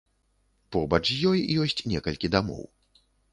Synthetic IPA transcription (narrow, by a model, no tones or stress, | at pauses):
pɔbɐt͡ʂjɔjjɔsʲt͡sʲnʲɛkɐlʲkʲid̪amɔ̰w